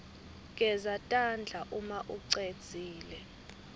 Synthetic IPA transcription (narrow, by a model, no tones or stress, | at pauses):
ŋ̬ʼɛzatʼand͡ɮʱaʔumaʔuǀed̥t͡sʼiːlɛ